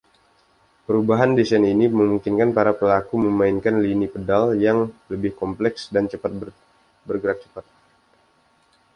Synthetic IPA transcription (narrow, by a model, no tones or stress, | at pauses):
pəɾubaɦandisaniniməmuŋkɪnkanpaɾapəlakuməmainkanlinipədaljaŋləbɪhkɔmplɛksdant͡ʃəpat̪̚bə | bərɡəɾak̚t͡ʃə̥pat̪̚